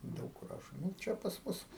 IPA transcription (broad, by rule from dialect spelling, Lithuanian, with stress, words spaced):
ˈdɐʊk kʊr ˈrɑːʃoː ˈnʊ ˈt͡ʃʲɛ pɐs ˈmʊs